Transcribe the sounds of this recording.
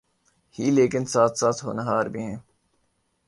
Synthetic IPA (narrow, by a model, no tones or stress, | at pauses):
hiːleːkɪnsaːt̪ʰsaːt̪ɦo̰ːnaɦaːɾbʱiɦɛ̃ː